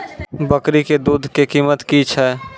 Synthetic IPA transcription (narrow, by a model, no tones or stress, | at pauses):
bəkɾiked̪uːd̪ʱkekiːmət̪kit͡ʃʰɛː